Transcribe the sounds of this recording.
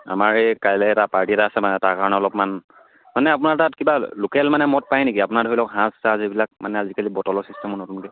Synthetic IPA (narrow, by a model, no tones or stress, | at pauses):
a̰maɹejkajlɛɛtapaɹtiɛtaːsɛmanɛtaɹkaɹɔnɛɔlɔpman | manɛapʊnaɹtatkibalokɛlmanɛmɔt̚pajnekiapʊnaɹdʱoɹilɔkɦãsazibilak̚manɛazikalibɔtɔlɔsistɛmɔnɔtunkɛ